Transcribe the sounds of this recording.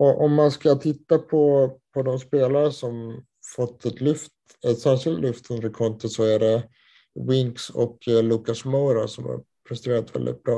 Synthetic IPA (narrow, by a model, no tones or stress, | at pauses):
ɔʔɔmːanskat̪ʰɪt̪ːapʰɔpʰɔd̪ɔmspeːlaɾəʂɔm | fɔt̪ʰːɛt̪lɵft̪ | ɛt̪sæːɾʂɪlt̪lɵft̪ʰɵnd̪əɾkʰɔnt̪ɪsɔæɖɛ | wɪŋksɔ̰kluːkasmawɾasɔmha̰ɾ | pʰɾɛst̪ɾeːɾat̪vɛ̰ld̪ɪ̰t̪̚bɾɑː